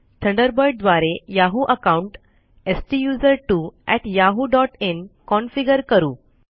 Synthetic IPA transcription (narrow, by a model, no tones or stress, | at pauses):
t̪ʰəɳɖəɾbɔjɖ̚d̪ʋaɾejaɦuʔəkauɳʈ | esʈijuzəɾʈuɛʈjaɦuɖɔʈenkɔnfiɡəɾkəɾṵː